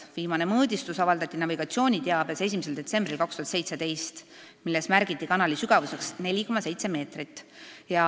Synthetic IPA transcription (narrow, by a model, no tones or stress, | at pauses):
viːmɑne̞mɤːd̪ʲist̪usɑvɑld̪ɑt̪ːˑinɑviɡ̥ɑt̪sio̞ːnʲit̪eɑb̥ese̞s̬ʲimese̞ld̪̥e̞t̪se̞mb̥rilkɑkst̪uhɑt̪se̞jt̪se̞d̪ejst̪ | milːe̞smærɡ̥it̪ːˑikɑnɑlisyɡ̥ɑvuse̞ksne̞lʲiko̞mːɑse̞jt̪se̞me̞ːt̪rit̪ːˑjɑ